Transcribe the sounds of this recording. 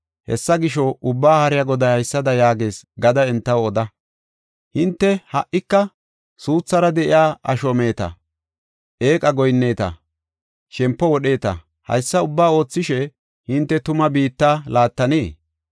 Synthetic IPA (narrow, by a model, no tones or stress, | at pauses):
hɛ̰sːɐɡɪʃɔʔʊbːaːhɐɾɪjɐɡɔd̪ɐjhɐjsːɐd̪ɐjaːɡe̞ːsɡɐd̪ɐɛnt̪ːɐwɔd̪ɐ | hɪnt̪ːɛhɐʔːɪkːɐ | suːt͡sːɐɾɐd̪ɛʔɪ̰jaːʔɐʃɔme̞ːt̪ɐ̰ | ʔe̞ːkʼɐɡɔjnːe̞ːt̪ɐ̰ | ʃɛmpːɔwɔɗe̞ːt̪ɐ̰ | hɐ̰jsːɐʊbːaːo̞ːt͡sːɪʃɛ | hɪnt̪ːɛt̪ʊmɐbiːt̪ːaːlaːt̪ːɐneː